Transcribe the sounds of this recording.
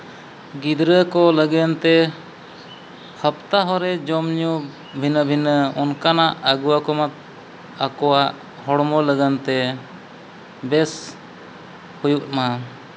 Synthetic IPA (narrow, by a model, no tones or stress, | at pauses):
ɡid̪ɾəkɔləɡənt̪ɛ | həp̚t̪aɦɔɾɛd͡ʒɔmɲu | bʱinəbʱinəɔnkanaʔaɡuwakɔmat̪̚ | akɔwaʔ | hɔɽmɔləɡənt̪ɛ | bɛs | hujuʔma